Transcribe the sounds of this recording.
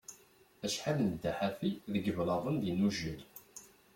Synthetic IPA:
æʃħalnəd̪ːaħafiðəɡəvlɑðˤənðinuʒil

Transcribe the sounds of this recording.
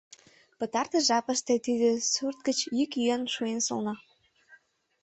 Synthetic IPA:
pə̆t̪ɑrt̪ɤʒɑpə̆ʃt̪ĕt̪id̪ĕsurt̪̚kə̆t͡ɕjykjyənʃuenso̰lˠnɤ

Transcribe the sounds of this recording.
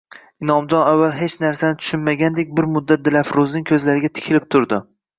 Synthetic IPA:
ɪnɒmd͡ʒɒnavːalˠɦet͡ʃnaɾsanɪt̪ʰʊ̥ʃɪnmaɡʲand̪e̞k̚ʲbɪɾmʊd̪ːat̪̚d̪ɪlafɾʊznɪŋʲkʲʰɵzlaɾɪɡʲat̪ʰɪ̥kʲʰɪlɪp̚t̪ʰʊɾd̪ɪ

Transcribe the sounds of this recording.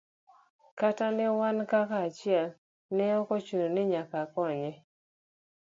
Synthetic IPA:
katanɪwankakaːt͡ʃɪɛl | nɛɔkɔt͡ʃuɾonɪɲakakɔɲɛ

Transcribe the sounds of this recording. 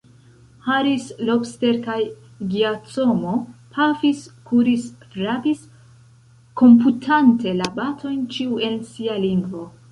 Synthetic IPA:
haɾislopste̞ɾkaj | ɡiat͡so̞mopʰafiskuɾisfɾapis | ko̞mp̬utʰante̞labatʰo̞jnt͡ʃiue̞nsialiŋɡvo̞

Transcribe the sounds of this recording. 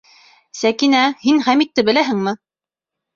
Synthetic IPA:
sækinæhinχæmit̪ːɘbɘ̆læɦɘ̆ŋmɘ

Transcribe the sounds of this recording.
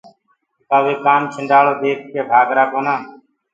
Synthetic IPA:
kaːʋeːkaːmt͡ʃʰəɳɖaːloːd̪eːk̚ʰkeːbʱaːɡɾaːkoːnãː

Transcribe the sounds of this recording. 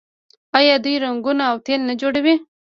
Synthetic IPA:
ajad̪ujɾaŋɡunaːwt̪elnad͡ʒoɽawi

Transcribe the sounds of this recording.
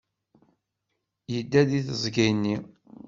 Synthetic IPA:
jəd̪ːæðiθəzˤɡæjnːi

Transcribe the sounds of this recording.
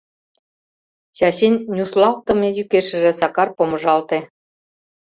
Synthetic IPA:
ɕɑɕenʲːuslˠɑlt̪ɤ̆mejykeʃɘ̆ʒĕsɑkɑrpomɤ̆ʒɑlt̪e

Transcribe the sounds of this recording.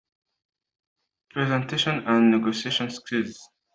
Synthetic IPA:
pʰɹɛzɛ̃ntʰeʃɔ̃nãnːɛɡosieʃɔ̃nskʰilz̥

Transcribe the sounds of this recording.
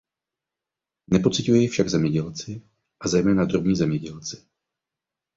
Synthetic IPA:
nɛpo̞t͡sɪcujɛjɪfʃaɡzɛmɲɛɟɛlt͡sɪ | ʔazɛjmɛːnad̪ɾobɲiːzɛmɲɛɟɛlt͡sɪ̥

